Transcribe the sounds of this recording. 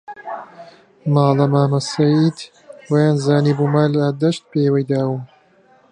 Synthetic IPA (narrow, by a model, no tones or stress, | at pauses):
mɑːlɐmaːmɐsɐjid̪ | wɐjaːnzaːniːbuːmaːlɐd̪ɐʃt̪̚peːwɐjd̪aːwu